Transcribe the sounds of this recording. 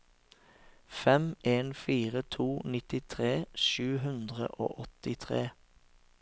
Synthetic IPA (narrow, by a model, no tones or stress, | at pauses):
fɛmʔeːnfiːʁət̪ʰuːnɪt̪ɪt̪ʰʁeːʃʉːɦʉnd̪ʁə̰ʔo̰ːʔɔt̪ɪt̪ʰʁeː